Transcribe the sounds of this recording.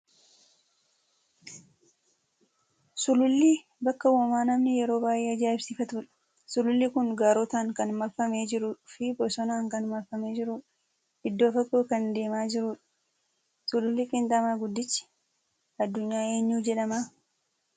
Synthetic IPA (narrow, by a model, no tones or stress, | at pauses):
sʊlʊlːi | bɐkːɐwɔmaːnɐmnɪjɛɾo̞ːbaːjʔeːɐd͡ʒaːɪbsɪfɐt̪uːᶑɐ̥ | sʊlʊlːikʊnɡaːɾɔt̪aːŋkɐnmɐɾfɐme̞ːd͡ʒɪɾʊᶑʊfɪbɔsɔnaːŋkɐnmɐɾfɐme̞ːd͡ʒɪɾuːᶑ | ɪd̪ːo̞ːfɐkʼːoːkɐnd̪e̞ːmaːd͡ʒɪɾuːᶑɐ̥ | sʊlʊlːikʼɪnt̪ʼamaːɡʊd̪ːɪt͡ʃːɪ̥ | ɐd̪ːʊɲːaːe̞ːɲːuːd͡ʒɛᶑɐmaː